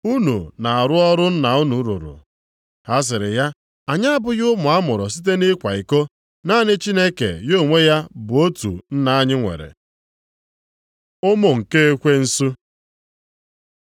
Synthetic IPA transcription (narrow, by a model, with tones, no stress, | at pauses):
u˦nṵ˨na˨a˨ɾʊ˦ɔ˦ɾʊ˦n̩˦na˨u˦nu˨˦ɾṵ˨ɾʊ̰˨ | ha˦s̬ɪ˨ɾɪ˨ja˦ | a˨ɲa˦a˦bʊ˦jʊ˦mʊ˨a˦mʊ˨ɾɔ˨si˦t̬e˦nɪ˦kʷa˨i˨ko˦ | na˦nɪ˦t͡ʃi˦ne˦kḛ˨jo˦˨ŋʷe˦ja˦bʊ˨o˦tṵ˨n̩˦na˦a˦ɲɪ˦ŋʷḛ˨ɾḛ˨ | ʊ˦mo˨ŋ̩˨ke˦e˦kʷe˦n̩˦su˦